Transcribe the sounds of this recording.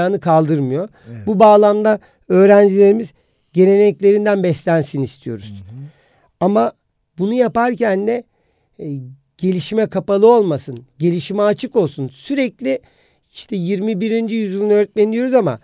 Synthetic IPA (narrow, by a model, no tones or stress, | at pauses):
aːnɯkʰalˠd̪ɯɾmɯjo̞ | bubaːlˠamd̪a | ø̞ːɾænd͡ʒilʲe̞ɾimiz | ɟe̞ne̞nɛclʲe̞ɾind̪ænbɛslʲænsinist̪ʰijo̞̰ɾuz̥ | ama | bunujapaɾcænːɛ | ɟ̥e̞lʲiʃmɛkʰapalˠɯo̞lˠmasɯnɟe̞lʲiʃimɛat͡ʃʰɯko̞lˠsunsyɾɛclʲi | iʃt̪ʰɛjiɾmibiɾind͡ʒijyzulˠunøːɾɛt̪̚menid̪ijo̞ɾuzama̰